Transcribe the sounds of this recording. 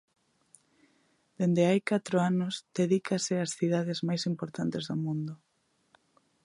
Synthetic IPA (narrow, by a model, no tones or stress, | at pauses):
d̪̥end̪eajkat̪ɾoanʊsd̪eðikasɪasθiðaðɪzmajsimpoɾt̪ant̪ɪzðʊmũnd̪ʊ